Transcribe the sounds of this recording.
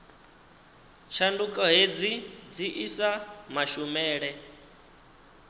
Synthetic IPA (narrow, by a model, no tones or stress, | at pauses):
t͡ʃʰandukʼɔɦed͡zid͡ziʔisamaʃumɛːɺɛ